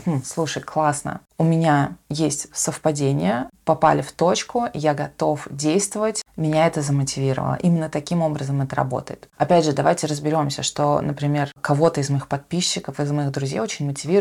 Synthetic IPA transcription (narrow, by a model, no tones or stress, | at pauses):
mm̩slˠuʂəjklˠasnə̰ | ʊmʲɪnʲajesʲtʲsəfpɐdʲenʲɪ̰jəpɐpa̰lʲɪft̪o̞t͡ɕkʊjaɡɐt̪o̞fdʲejst̪vəvətʲmʲɪnʲaɛt̪əzəmətʲɪvʲiɾə̰və̰lˠə̰ʔimʲɪnːət̪ɐkʲimo̞bɾəzəmɛt̪əɾɐ̰bo̞̰t̪əjɪt̪ɐpʲædʲʐɨd̪ɐvajtʲɪɾəzbʲɪɾʲo̞msʲə̰ʂt̪o̞nəpɾʲɪmʲe̞rkɐvo̞t̪əɪzmɐixpɐt̪̚pʲiɕːɪkəfɪzmɐixd̪ɾʊzʲejot͡ɕɪnʲmətʲɪvʲi